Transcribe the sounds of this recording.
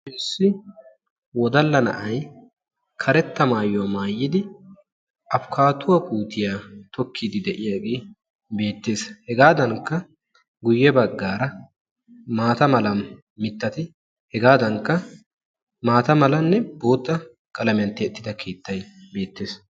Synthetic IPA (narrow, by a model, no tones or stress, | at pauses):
ʃɪnsːɪ | wɔd̪ɐlːɐnɐ̰ʔɐj | kʰɐɾɛt̪ːɐmaːjʊwamaːjːɪd̪ɪ | ʔɐfkʰaːt̪ʊwɐkuːt̪ɪjaːt̪ɔkʰːid̪ɪd̪ɛʔɪjaːɡeː | be̞ːt̪ːe̞ːshɛɡaːd̪ɐŋkːɐ | ɡʊjːɛbɐɡːaːɾɐ | maːt̪ɐmɐlɐ | mɪt̪ːɐt̪ɪ | hɛɡaːd̪ɐŋkːɐ | maːt̪ɐmɐlɐnːɛb̥o̞ːt̪ːɐ | kʼɐlɐmɪjɐnt̪ːɛːt̪ːɪd̪ɐkʰeːt̪ːɐjbe̞ːt̪ːeːs